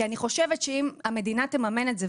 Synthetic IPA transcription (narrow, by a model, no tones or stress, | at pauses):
aniχo̞ʃevetʃeimame̞dinate̞mame̞netze